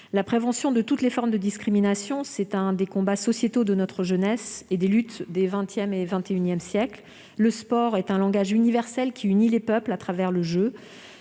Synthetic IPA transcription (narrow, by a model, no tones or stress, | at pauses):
lapχevɑ̃sjɔ̃d̪ət̪ut̪lefɔʁmd̪əd̪iskχiminasjɔ̃sɛt̪ɛ̃d̪ekɔ̃basɔsjet̪od̪ənɔt̪χəʒənɛsed̪elyt̪d̪evɛ̃t̪jɛmevɛ̃t̪eynjɛmsjɛkl | ləspɔʁɛt̪ɛ̃lɑ̃ɡaʒynivɛʁsɛlkʲiynilepœplat̪χavɛʁləʒø